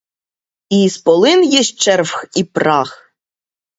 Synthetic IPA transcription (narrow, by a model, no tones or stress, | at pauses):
ispɔlˠɪnjɛʃt͡ʃɛrwxipɾɑx